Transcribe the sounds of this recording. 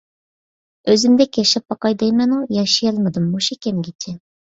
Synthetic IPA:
øzɪmd̪ɛkʲjɛʃɛp̚ːɑqɑjd̪ɛjmɛnujɑʃijɑlˠmɨd̪ɨmːoʃikʲʰɛmɡʲit͡ʃʰɛ

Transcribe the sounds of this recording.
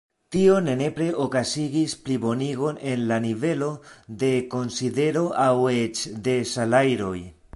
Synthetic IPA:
tio̞ne̞ne̞pɾe̞ʔokasiɡisplibo̞niɡo̞ne̞nlanive̞lo̞d̪e̞ko̞nside̞ɾo̞ʔawet͡ʃd̪e̞salajɾo̞j

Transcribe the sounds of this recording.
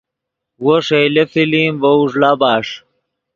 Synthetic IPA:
woʂelefiliːmbɐuʐlabaːʂ

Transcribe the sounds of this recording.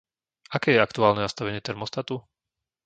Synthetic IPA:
akɛːjɛakt̪uaːlnɛnast̪aʋɛɲɪɛt̪ɛɾmɔst̪at̪u

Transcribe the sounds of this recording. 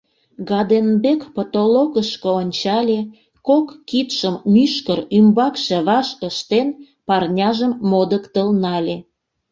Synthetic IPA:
ɣɑd̪enbekpot̪oloɣəʃkəonʲt͡ɕɑlʲe | kokːit̪ʃəmmyʃkərymbɑkʃĕβɑʃəʃt̪en | pɑrnʲɑʒəmːod̪əkt̪əlnɑlʲe

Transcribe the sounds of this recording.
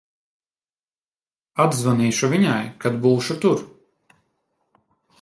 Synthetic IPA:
ad̪zvaniːʃuvʲiɲajkad̪buːʃut̪uɾ

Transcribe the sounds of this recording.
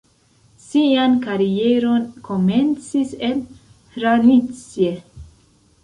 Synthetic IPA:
siankaɾie̞ɾo̞nkʰo̞me̞nt͡sise̞n | ɾanit͡sie̞

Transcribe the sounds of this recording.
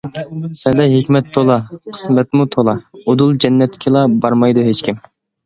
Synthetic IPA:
sɛd̪ɛɦekʲmɛt̪ʰːolˠɑqʰə̥smɛt̪mut̪ʰolˠɑod̪ulˠd͡ʒɛnːɛt̪ʰːɪ̥kʲʰilˠɑbɑɾmɑjd̪uɦet͡ʃkʲim

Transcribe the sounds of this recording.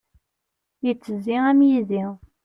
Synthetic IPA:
jət͡sːəziæmjiði

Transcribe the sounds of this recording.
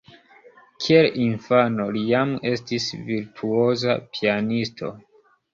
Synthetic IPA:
kʰielinfano̞lijame̞stisviɾtʰuo̞za̰pianistʰo̞̰

